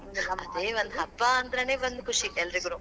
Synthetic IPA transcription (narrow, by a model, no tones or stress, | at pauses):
ɐd̪eːʋond̪ɦɐpːaɐnd̪ɐɾeneːʋond̪ukʰuʂiɛlːɐɾiɡuɾu